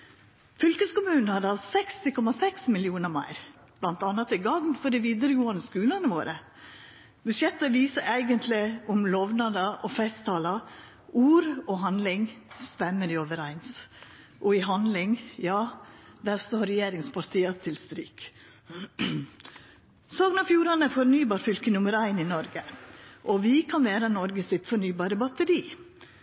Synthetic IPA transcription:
fʏlkəskʊmʉːnn̩hɑd̪əɑlsɛkst̪ɪkʰɔmɑsɛksmɪljuːnəɾmæ̰ɪɾ | b̥lɑnt̪ɑnːɑt̪ɪɡɑŋnfɔɖɛʋiːd̪əɾəɡoːənəskʉːlənəʋoːɾʔə | bʉʃɛt̪ːəʋiːsəʔæɪɡənt̪ʰlɪʊmloːʋnɑd̪ɑʔɔfɛst̪ʰːɑːlɑ | ʔuːɾɔɦɑnd̪lɪŋst̪ɛmːəɾɪoːʋəɾæɪns | ʔɔɪɦɑnd̪lɪŋjɑːd̪æːɾst̪oːɾɛjeːɾɪŋspʰɑɾt̪ʰiːɑt̪ʰɪlst̪ɾyːk | soːɡnɑfjuːɾɑnəfɔɾnyːbɑːɾfʏlkənʉməɾæɪnɪnɔɾɡəʔɔʋɪkʰɑnʋeːɾənɔɾɡəsɪt̪fɔɾɳnyːbɑːɾəbɑt̪əɾiː

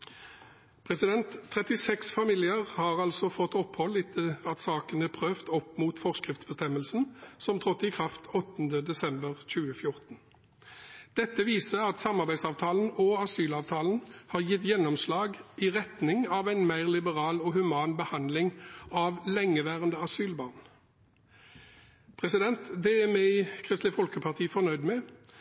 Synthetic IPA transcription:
pʰʁɛsɪd̪ɛnt̪ʰːʁɛt̪ɪsɛksfɑmiːlɪəʁhɑːʁɑlsɔfɔt̪ːɔphɔlːɪt̪ʰɪɑt̪sɑːkənəpʰʁøːft̪ɔpːmuːt̪fɔʁskʁɪft̪sbəst̪ɛməlsn̩sɔmt̪ʰʁɔt̪ːɪkʰʁɑft̪ʰɔt̪ːn̩d̪əd̪ɛsɛmbəʁc͡çʉːəfjʊʁt̪n̩ | d̪̥ɛt̪ːəʋiːsəɑt̪sɑmɑʁbæɪd̪sɑːʋt̪ʰɑːlən̩ɔɑsyːlɑːʋt̪ʰɑːln̩hɑːʁjɪt̪jɛnːɔmslɑːɡiʁɛt̪nɪŋɑʋæɪnmæɪʁlɪbəʁɑːlɔːhʉmɑːnbəhɑnd̪lɪŋɑʋlɛŋːəʋæːʁənd̪əɑsyːlbɑːʁn | pʰʁɛsɪd̪ɛnt̪d̪ɛæmæɪkʰʁɪst̪lɪfɔlkəpʰɑʁt̪ʰiːfɔʁnœʏd̪mɛ

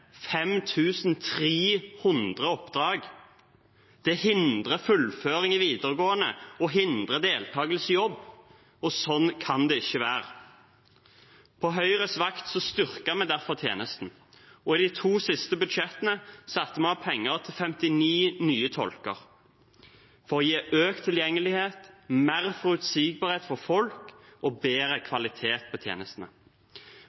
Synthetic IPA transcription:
fɛmt̪ʰʉːsn̩t̪ʰʁiːhʊnd̪ʁəɔpːd̪ʁɑːɡ | d̪̥ɛhɪnd̪ʁəfʉlføːʁɪŋɪʋiːd̪əʁɡoːənə̰ɔɦɪnd̪ʁəd̪eːlt̪ʰɑːɡəlsjɔbː | ɔsɔnkʰɑnd̪ɛɪçːəʋæːʁə | pʰɔɦœʏʁəsʋɑkt̪sɔst̪ʏʁkəmɛd̪æɾfɔʁt̪ʰjḛːnəst̪n̩ | ɔɪd̪ɪt̪ʰuːsɪst̪əbʉd̪ʃɛt̪ənəsɑt̪ːəmɛɑpʰɛŋːəʁt̪ʰɪlfɛmt̪ɪniːnyːət̪ʰɔ̰lkəʁ | fɔʁjiːøːk̚t̪ʰːɪljɛŋːəlɪheːt̪meːʁfɔɾʉt̪siːɡ̚bɑːʁheːt̪fɔʁfɔlkɔbeːɾəkʰʋɑlɪt̪ʰeːt̪̚pʰɔːt̪ʰjḛːnəst̪nə̰

